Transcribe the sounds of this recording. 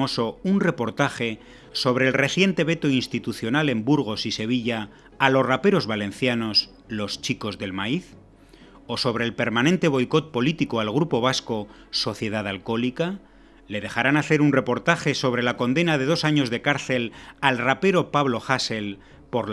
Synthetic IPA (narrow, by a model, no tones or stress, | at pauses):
oso̞unre̞po̞ɾt̪axe̞ | so̞β̞ɾe̞ːlre̞θje̞nt̪e̞β̞e̞t̪oinst̪it̪uθjo̞nale̞mbuɾɣ̞o̞sise̞β̞iʎaː | lo̞srape̞ɾo̞zβalẽ̞n̟θjano̞s | lo̞st͡ʃiko̞zðe̞lmaiθ | o̞so̞βɾe̞ːlpe̞ɾmãnẽ̞nt̪e̞β̞o̞jko̞t̪̚po̞lit̪ikoalɣ̞ɾupo̞β̞asko̞ | so̞θje̞ð̞aðalko̞lika | le̞ðe̞xaɾanaθe̞ɾunre̞po̞ɾt̪axe̞so̞β̞ɾe̞lako̞nd̪e̞naðe̞ð̞o̞saɲo̞zðe̞kaɾθe̞lalrape̞ɾo̞paβlo̞xase̞l | po̞ɾ